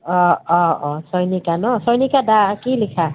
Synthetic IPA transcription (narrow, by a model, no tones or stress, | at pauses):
ɔɔɔsʌjnikanʌsʌjnikadakilikʰa